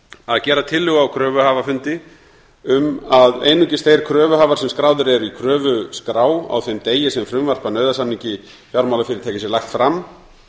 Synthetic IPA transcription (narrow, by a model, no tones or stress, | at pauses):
aðcɛːɾat̪ʰɪlːʏɣawkʰɾœːvʏhaːvafʏnt̪ɪ | ʏmaðḛːjnʏcɪst̪ejɾ̥kʰɾœːvʏɦaːvaɾ̥sɛmskɾaːwðʏɾɛɾikʰɾœːvʏskɾaːwa̰wθejmt̪eːjɪsɛmfɾʏmvar̥panœːɥðasanːiɲcɪ | fjaɾmawlafɪɾɪɾt̪ʰɛːcɪsɪɾlajxt̪fɾamː